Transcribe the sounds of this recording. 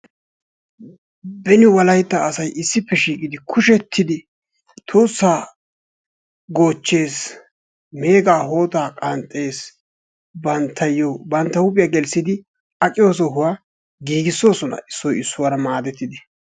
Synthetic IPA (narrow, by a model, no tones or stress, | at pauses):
bɛnɪwɐlɐjt̪ːɐːsɐjʔɪsːɪpːɛʃiːkʼɪd̪ɪkʰʊʃɛt̪ʰːɪd̪ɪ | t̪ʰuːsːaː | ɡo̞ːt͡ʃːe̞ːs | me̞ːɡaːɦo̞ːt̪aːkʼɐnt̪ʼːe̞ːs | bɐnt̪ʰːɐjːɔbɐnt̪ːɐhʊpʼɪjaɡɛlsɪd̪ɪ | ɐkʼɪjo̞ːs̬ɔɦʊwaː | ɡiːɡɪsːo̞ːsɔnɐ̰ʔɪsːɔjɪsːʊwɐɾɐmaːd̪ɛt̪ːɪd̪ɪ